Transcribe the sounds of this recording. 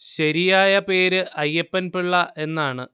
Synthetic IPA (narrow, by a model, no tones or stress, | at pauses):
ɕɐɾijaːjɐpe̞ːɾɨʔɐjːɐpːɐnpiɭːɐʔe̞nːaːɳɨ